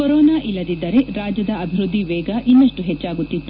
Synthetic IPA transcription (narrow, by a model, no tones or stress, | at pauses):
kɔɾɔːnaːʔilːɐd̪id̪ːɐɾe̞ɾaːd͡ʒɐd̪ɐɐbʱiɾud̪ʱːiʋɛːɡɐʔinːɐʂʈuɦet͡ʃːaːɡut̪ːit̪ːu̥